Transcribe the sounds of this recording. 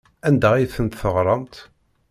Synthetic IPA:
ænd̪æʁiθənt̪θəʁɾˤɑnt̪

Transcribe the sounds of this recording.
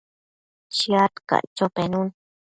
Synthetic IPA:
t͡ʃiat̪ka̰ʔt͡ʃopenun

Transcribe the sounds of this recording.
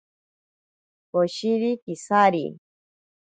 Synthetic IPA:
koʃiɾikisaɾḭ

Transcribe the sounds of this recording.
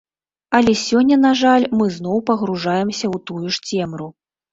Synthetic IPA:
ɐlʲɛsʲɔnʲːɐnaʐalʲmɨzn̪ɔwpɐɣɾuʐajɛmsʲɐwt̪ujuʂt͡sʲɛmɾu

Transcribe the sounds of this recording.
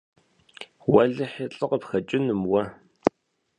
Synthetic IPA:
wɐɮɨħɪɬʼɨqəpxɐt͡ʃʼɪnɨmwɐ

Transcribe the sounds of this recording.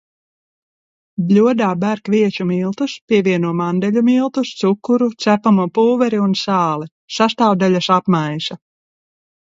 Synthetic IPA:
blʲuɔd̪aːbæɾkviɛt͡ʃumilˠt̪uspʲiɛvʲiɛnuɔmand̪ɛʎʲumilˠt̪ust̪sukːuɾut̪sæpamuɔpuːvɛɾiunsaːlˠi | sast̪aːwd̪aʎʲasapmajʃa

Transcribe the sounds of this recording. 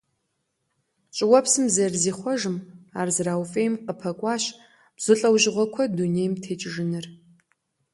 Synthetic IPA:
t͡ʃʼɪwɐpʰsɨmzɐrziːχʷɔʒɨmaːrzɨraːwfʼeːjmqəpʰɐkʷʼɑːɕ | b̥z̥ɨɬʼɐwʒɪʁʷɔkʷʰɔduneːjmtʰeːt͡ʃʼɪʒɪnɨr

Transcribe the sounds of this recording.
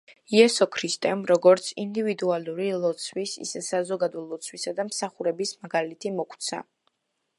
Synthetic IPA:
iɛsɔkʰɾist̪ʼɛmɾɔɡɔɾt̪sʰind̪ivid̪ualuɾilˠɔt̪sʰwisḭsɛsazɔɡad̪ɔlˠɔt̪sʰwisad̪amsaχuɾɛbismaɡalit̪ʰimɔkʰt̪sʰa̰

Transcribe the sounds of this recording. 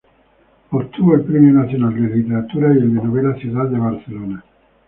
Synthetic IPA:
foɾt̪uvoelpɾɛmjonat̪sjonald̪elalit̪ːeɾat̪uːɾaelːenovɛlasit̪ad̪ebarseloːna

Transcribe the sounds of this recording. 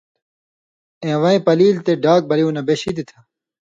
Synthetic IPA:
ẽːʋɐẽpɐliːlt̪eɖaːk̚bɐɾijũnɐbeːɕid̪it̪ʰa

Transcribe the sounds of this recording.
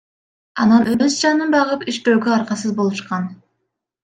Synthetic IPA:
ɑnɑnøzd͡ʒɑnɯnbɑʁɯpiʃt̪øːɡøɑɾqɑsɯzbo̞lˠuʃqɑn

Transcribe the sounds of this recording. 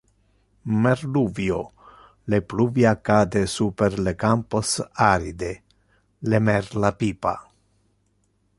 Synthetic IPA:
meɾluvjo | lepluvjiakːad̪esupeɾlekamposaɾid̪e | lemeɾlapipa̰

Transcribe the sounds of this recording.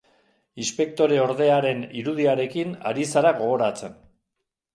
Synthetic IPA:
inspe̞k̚t̪o̞ɾe̞o̞ɾðe̞aɾe̞niɾuðiaɾe̞kina̰ɾisaɾaɣo̞ɣo̞ɾat͡se̞n

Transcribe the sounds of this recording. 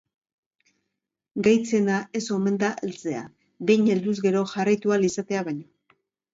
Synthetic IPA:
ɡajt͡se̞naʔe̞so̞me̞nd̪aʔelt͡se̞a̰ | bejɲeld̪uzɣe̞ɾo̞ʝarajt̪ualisat̪e̞aβaɲo

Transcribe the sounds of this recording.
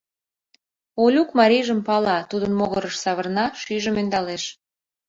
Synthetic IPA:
olʲukmɑɾʲiʒəmpɑlɑt̪ud̪ənmoɣəɾəʃsɑβərnɑʃyʒəmønd̪ɑleʃ

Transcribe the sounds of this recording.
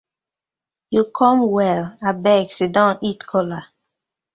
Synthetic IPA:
jukʰɔ̃mwɛlabɛɡsedãnitkʰɔla

